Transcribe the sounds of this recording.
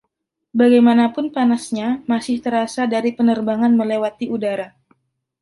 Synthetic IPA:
baɡajmanapʊnpanasɲamasɪht̪əɾasadaɾipənərbaŋanməlewat̪iʔudaɾa

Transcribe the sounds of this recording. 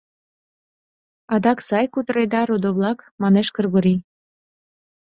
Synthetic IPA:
ɑd̪ɑksɑjkut̪əɾed̪ɑɾod̪oβlɑkmɑneʃkɤ̆rɣuɾi

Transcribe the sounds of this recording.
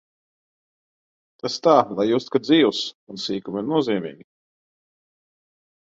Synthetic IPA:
t̪ast̪aːlˠajjuːst̪kad̪ziːvusunsiːkumiɾnuɔziːmḭːɡʲi

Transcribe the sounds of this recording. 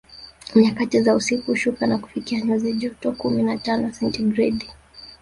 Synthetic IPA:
ɲakatizausikuʃukanaku̥fikiaɲɔziʄɔtɔkuminatanɔsɛntiɡɾɛdi

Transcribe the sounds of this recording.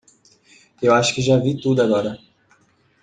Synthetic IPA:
ewaʃʊ̥kɪʒavit̪ud̪ʊaɡɔɾɐ

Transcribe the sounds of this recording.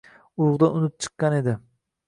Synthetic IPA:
ʊʊʁd̪aʊnɪt̪̚t͡ʃʰɨ̥qːɑne̞d̪ɪ

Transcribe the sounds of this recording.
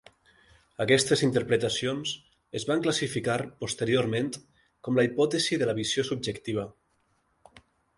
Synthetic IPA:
əkɛst̪ezint̪əɾpɾət̪asions | əzβaŋklasifikaɾpust̪eɾioɾmẽnt̪ | kɔmləipɔt̪eziðələβizjosub̚d͡ʒəkt̪iβ̞ə

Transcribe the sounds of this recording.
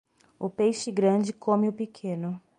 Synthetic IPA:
ʊpejʃɪɡɾɐ̃d͡ʒɪkʰõmɪʊpikʰẽnʊ

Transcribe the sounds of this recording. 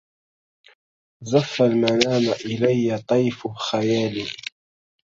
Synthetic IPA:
zafːalmanaːmaʔɪlajːat̪ˤɑjfʊxajaːli

